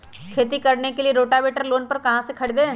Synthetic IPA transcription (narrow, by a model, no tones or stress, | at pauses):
kʰeːt̪ikɐɾnekelieɾoːʈabeːʈəɾloːnpɐɾkɐɦãsekʰɐɽd̪ẽː